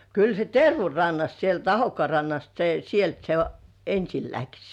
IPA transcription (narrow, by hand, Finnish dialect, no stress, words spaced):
kyl se terʋu rɑnːɑst sielt ɑhokːŏɑˑ rɑnːɑst se sielt se ensil læks